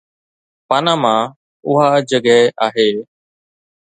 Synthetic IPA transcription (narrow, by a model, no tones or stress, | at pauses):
paːnãːmãː | ʊɦaːd͡ʒəɡɛːʔaːɦeː